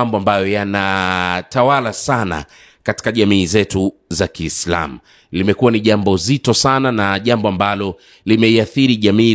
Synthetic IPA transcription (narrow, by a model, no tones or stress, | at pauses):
mbɔambajɔjanatawalasana̰ | kati̥kaʄamiːzɛtuzakiːsla̰mu | limɛkuwaniʄambɔzitɔsananaʄambɔambalɔ | limɛiaθiɾiʄamiː